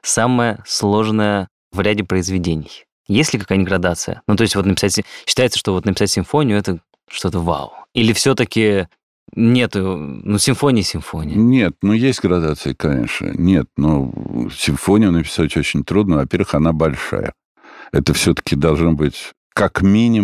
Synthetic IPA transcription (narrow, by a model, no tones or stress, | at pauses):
saməjəslˠo̞ʐnəjə | vɾʲædʲɪpɾəɪzvʲɪdʲenʲɪj | jesʲlʲɪkɐkajnʲɪɡɾɐd̪at̪sɨjə̰nut̪o̞ɪsʲtʲvot̪nəpʲɪsatʲsʲɕːɪ̥t̪ajɪt̪sə̥ʂt̪ovo̞t̪nəpʲɪsatʲsʲɪmfonʲɪjʊɛt̪ə | ʂt̪o̞t̪əva̰ʊilʲɪfsʲot̪əkʲɪ | nʲet̪ʊnusʲɪɱfonʲɪjːsʲɪɱfo̞nʲɪjnʲe̞t̪̚nujesʲtʲɡɾɐd̪at̪sɨɪkɐnʲḛʂnə̰nʲe̞t̪̚nosʲɪɱfonʲɪjʊnəpʲɪ̥satʲot͡ɕɪnʲt̪ɾud̪nəvɐpʲervɨxɐnabɐlʲʂa̰jə̰ | ɛt̪əfsʲot̪ə̥kʲɪd̪ɐlˠʐnobɨtʲ | kakmʲinʲɪ